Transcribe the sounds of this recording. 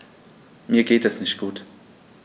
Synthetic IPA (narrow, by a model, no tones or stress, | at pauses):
miːɐɡeːtɛsnɪçt̚ɡ̥uːt